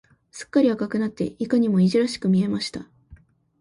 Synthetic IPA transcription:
sɨ̥kːaɾʲiβakakɯ̟nat̪ːe̞̰ikaɲ̟imo̞iʑiɾaɕi̥kɯ̟mʲie̞maɕi̥t̪a

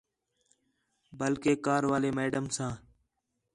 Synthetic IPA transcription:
bəlkeːkaːɾʋaːleːmeːɖəmsãː

